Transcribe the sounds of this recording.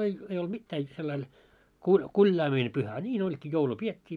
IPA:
ei ei olt mitːæː jot selːɑil kulʲ kulʲjɑːmine pyhæ ɑ nʲiːn olʲkiː joulu pietʲːiː

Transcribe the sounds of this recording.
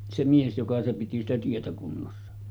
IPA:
se mies jokɑ piti sitæ tietæ kunːosːɑ

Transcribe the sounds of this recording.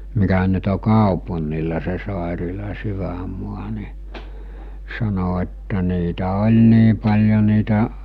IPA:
mikæ nyt o kɑopunˑilɑ se sɑˑerilɑ syʋæmˑuɑ ni sɑno etːæ niːtæ olʲ niː pɑlʲjo niːtæ

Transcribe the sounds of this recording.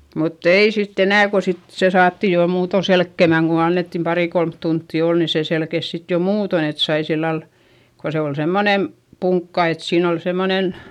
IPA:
mutː ei sitː enæˑ ko sit se sɑːtːiˑ jo muːto selkːemæŋ ku ɑnːetːim pɑriˑ kolmt tuntːiˑ oˑl ni seˑ selkes sit jo muːton et sɑi silːɑl ko se ol semːonem puŋkːɑ et siːn ol semːonen

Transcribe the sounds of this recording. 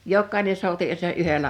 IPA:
jokːɑˑine souti ə̆ se ʔyhelæ

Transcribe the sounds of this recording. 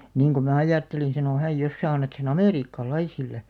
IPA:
niːŋ ku mæˑ ɑjɑˑtːelin̞ sɑno hæj jos sæː ɑnːɑt sen ɑmeˑriːkːɑlɑisilːe

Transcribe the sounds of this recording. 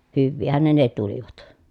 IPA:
hyʋːiːhæn ne ne tuliʋɑt

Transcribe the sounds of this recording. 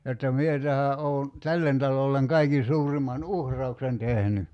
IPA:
jotːɑ mie tæhæ ʔoo̝ tælːen tɑlolːeŋ kɑikin̞ suːrimɑn uhrˑɑuksen tehny

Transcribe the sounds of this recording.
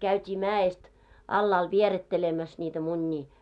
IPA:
kæytʲiː mæːest ɑlːɑːl ʋieretːelemæs nʲiːtæ munʲːiː

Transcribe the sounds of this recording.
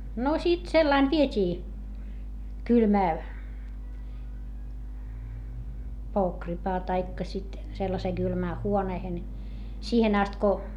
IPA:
no sit selːɑin ʋietʲiː kylmæː poːkripɑː tɑikːɑ sit selːɑseː ɡ̊ylmæː huoneːhen siːhen ɑst ko

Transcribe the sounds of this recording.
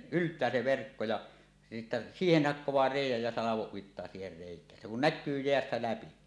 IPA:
yltˑæː se ʋerkːo jɑ sitːæ siːhen hɑkːowˑɑː reˑijˑæj jæ sɑlɑʋoʔ ʔuitːɑː siːher reˑikˑæːn se kun nækːyː jeæstæ læpi

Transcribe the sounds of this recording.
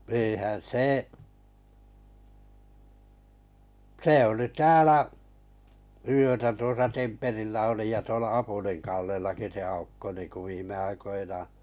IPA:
e̞ːhæn seː se oliˑ tæːlæ yøtæ tuosɑ temperilːæ oli jɑ tuolɑ ɑpuliŋ kɑlːelːɑki se ɑukːo niːŋku ʋiːmˑe ɑikoinɑː

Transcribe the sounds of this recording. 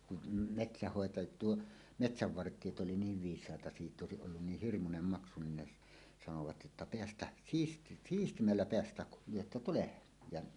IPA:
kun metsæhːoˑetɑ tuo metsæʋːɑrtˑiet ʔoli niːʋ ʋiːsˑɑˑetɑ sitˑ oˑesiʔ ʔolːun niːh hirmunem mɑksu nin ne s sɑnoʋɑt jotːɑ peæstæh siːs siːstimːælːæ peæstæh kul lyøtːɑ tulehen jɑ

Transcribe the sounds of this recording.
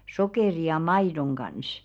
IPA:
sokeˑri jɑ mɑidoŋ ɡ̊ɑns

